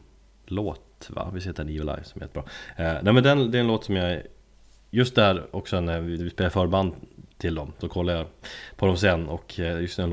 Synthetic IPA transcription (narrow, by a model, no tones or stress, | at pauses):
loːt̪va̰vɪshɪːt̪əɛniːəla̰ɪvsɔmɛ̰jɛ̰t̪ːəbɾɑ̰ːnæɪmɛnd̪ɛnd̪ɛɾɛnloːt̪sɔmja | jɵst̪̚d̪æɾɔksɔnævɪvɪspeːlaɾfœːɾband̪t̪ʰːɪld̪ɔmsɔkʰɔlːajapʰɔd̪ɔmsɛnːɔkʰjɵst̪ɛn